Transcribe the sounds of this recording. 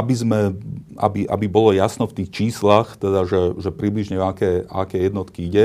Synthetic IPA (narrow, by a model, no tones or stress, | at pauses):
abizmɛa̰biʔa̰bibɔlɔjasnɔft̪iːxt͡ʃiːslaxt̪ɛd̪aʒɛʒɛpɾibliʒɲɛakɛːa̰kɛjɛd̪nɔt̪kiiɟɛ